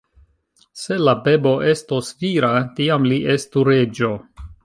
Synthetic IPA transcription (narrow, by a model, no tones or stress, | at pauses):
se̞labe̞bo̞ʔe̞stosviɾatiamliʔe̞stuɾe̞d͡ʒo̞